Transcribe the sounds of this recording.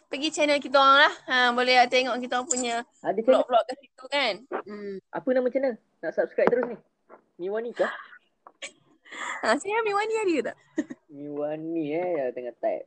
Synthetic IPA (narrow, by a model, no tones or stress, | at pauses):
pəɡit͡ʃɛnəlk̬it̪̬oaŋlahəmbolɛɦat̪eŋɔʔkit̪aŋpuɲə | adiflɔflɔʔ̚kasit̪ukanm̩ʔa̰pənaʔmət͡ʃɛnə | naʔsap̚skɾajp̚t̪əɾʊsnih | mĩwanika | asiiamĩwaniadiut̪a̰ʔ | miwaniajat̪əŋat̪a̰jt̚